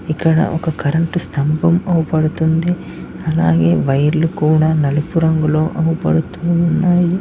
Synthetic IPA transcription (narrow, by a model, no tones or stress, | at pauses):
ikːɐɽɐ̰ʔɔ̰kɐkɐɾɐɳʈust̪ʰɐmbɐmɐwupɐɽut̪ːund̪e | ɐlaːɡeːʋɐjɐɾlukuːɽɐnɐlɐpuɾɐŋɡɐɭoːʔɐwupɐ̰ɽut̪ːuunːaːji